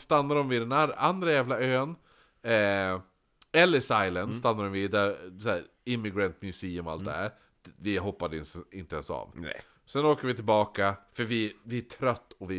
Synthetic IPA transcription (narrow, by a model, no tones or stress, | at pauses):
st̪anːaɾɔmvɪd̪ɛnaand̪ɾajæːvlaøːn | ɛ | ɛlːəsajlənst̪anːaɾɔmvɪd̪æɾsæːɾ | ɪmːɪɡɾɛnt̪mjʉsiːɵma̰lt̪̚d̪ɛ̰hæ̰ːɾ | vɪɦɔpːad̪əɪɪnt̪əɛnsa̰ːv | sɛnoːkəɾvɪt̪ʰɪlbɑːkafœɾvɪvɪæʈʰɾœt̪ːɔvɪ